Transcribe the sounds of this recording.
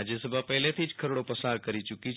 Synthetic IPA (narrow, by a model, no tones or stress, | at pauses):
d͡ʒesəbʱapəɦlet̪ʰid͡ʒkʰəɾoɽopəsaɾkəɾit͡ʃuki